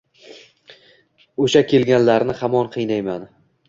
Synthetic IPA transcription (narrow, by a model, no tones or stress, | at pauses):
oʃakʲʰe̞lɡʲanlaɾnɪhamɒnqʰɨjnajman